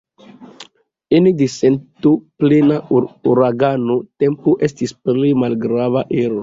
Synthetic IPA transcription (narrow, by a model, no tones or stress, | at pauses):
inidisentuplenauɾaɡanote̞mpuʔestispɾemalɡɾavaʔeɾo